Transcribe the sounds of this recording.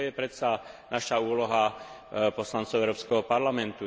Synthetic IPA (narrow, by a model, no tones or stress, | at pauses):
jɛpɾɛsanaʃauːlɔɦapɔslantt͡sɔʊɛʊɾɔːpskɛɦɔpaɾlamɛnt̪u